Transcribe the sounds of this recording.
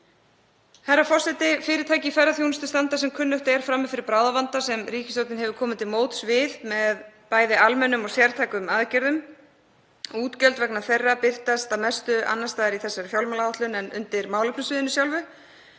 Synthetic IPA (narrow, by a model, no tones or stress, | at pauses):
hɛrːafɔr̥sɛt̪ɪfɪːɾɪɾt̪ʰaːjcɪfɛjɾaθjownʏst̪ʏst̪ant̪asɛmkʰʏnːʏht̪ɛɾ̥fɾamːɪfɪɾɪɾpɾaːwðavant̪asɛmriːcɪst̪owt̪nɪnhɦɛvʏkʰɔːmɪt̪ʰɪlmoːwt̪svɪθmɛðpaːjðɪalmɛnːʏmɔsjɛɾ̥t̪ʰajkʏmaðcɛɾðʏm | uːt̪cœlt̪vɛknaθejrːapɪr̥t̪ast̪amɛst̪ʏʔa̰nːast̪aːðɪɾiθɛsːaɾfjawlmalaaht̪lʏnɛnʏ̰nt̪ɪɾmaːwlʏpnʏsvɪːðɪnʏsjawlvʏ